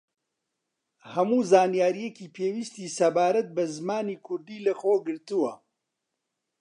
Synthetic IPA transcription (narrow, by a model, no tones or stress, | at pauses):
hɐmuːzaːnijaːɾijekiːpʰeːwiːst̪iːsɐbaːɾɐt̪̚bɐzmaːniːkʰʊɾd̪iːlɐxoːɡɨɾt̪uwɐ